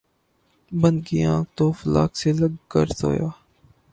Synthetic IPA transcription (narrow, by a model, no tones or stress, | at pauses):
bə̃nd̪kiãːk̚ʰt̪oːfəla̰ːkseləɡkə̰ɾso̰ːjaː